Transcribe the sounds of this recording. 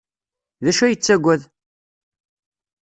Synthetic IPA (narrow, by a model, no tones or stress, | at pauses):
ðæʃæjət͡sːæɡʷæð